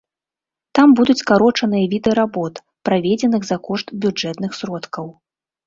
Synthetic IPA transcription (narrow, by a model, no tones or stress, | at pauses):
t̪ambud̪ut͡sʲkaɾɔt͡ʂɐnɨjɐvʲid̪ɨɐɾabɔt̪ | pɾavʲed͡zʲɛnɨɣzɐkɔʂt̪bʲud͡ʐɛt̪nɨxsɾɔt̪kɐw